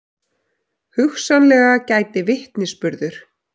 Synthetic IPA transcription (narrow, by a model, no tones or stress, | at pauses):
hʏxsanlɛːɣacaːjt̪ɪvɪht̪nɪspʏɾðʏɾ̥